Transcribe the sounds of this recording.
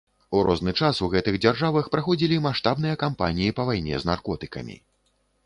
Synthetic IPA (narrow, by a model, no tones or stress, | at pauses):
uɾɔznɨt͡ʂasuɣɛt̪ɨɣd͡zʲarʐavɐxpɾaxɔd͡zʲilʲimaʂt̪abnɨjɐkampa̰nʲijipɐvajnʲɛ̰znarkɔt̪ɨ̥kɐ̰mʲḭ